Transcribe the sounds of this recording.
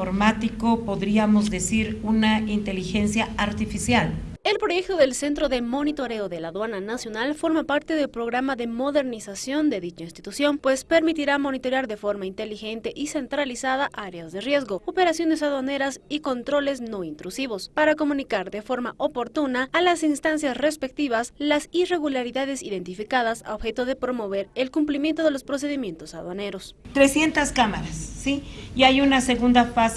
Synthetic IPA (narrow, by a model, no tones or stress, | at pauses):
oɾmat̪ikopoðɾiamozðe̞siɾunaint̪e̞lixensjaaɾt̪ifisjal | e̞lpɾo̞ʝe̞k̚t̪oðe̞lse̞nt̪ɾo̞ðe̞mo̞nit̪o̞ɾe̞oðe̞laðwananasjo̞nalfo̞ɾmapaɾt̪eðe̞lpɾo̞ɣɾamaðe̞mo̞ðe̞ɾnisasjo̞nd̪e̞ðit͡ʃainst̪it̪usjo̞npwe̞spe̞ɾmit̪iɾamo̞nit̪o̞ɾjaɾðe̞fo̞ɾmaint̪e̞lixe̞nt̪e̞ʔise̞nt̪ɾalisaðaʔaɾeazðe̞rje̞zɣo̞ope̞ɾasjo̞nes̬aðwane̞ɾasiko̞nt̪ɾo̞le̞zno̞int̪ɾusiβo̞spaɾako̞mũnikaɾðe̞fo̞ɾmaʔopoɾt̪unaːlasinst̪ansjasre̞spe̞k̚t̪iβaslasire̞ɣulaɾiðaðe̞siðe̞nt̪ifikaðasa̰oβxe̞t̪o̞ðe̞pɾo̞mo̞β̞e̞ɾelkumplimje̞nt̪o̞ðelo̞spɾo̞s̬e̞ðimje̞nt̪osaðwane̞ɾo̞st̪ɾesje̞nt̪askamaɾasːijajunaseɣund̪afas